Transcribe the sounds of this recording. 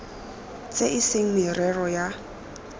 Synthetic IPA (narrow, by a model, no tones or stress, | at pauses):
t͡sʼeʔɪseŋ̩mɪrɛrɔja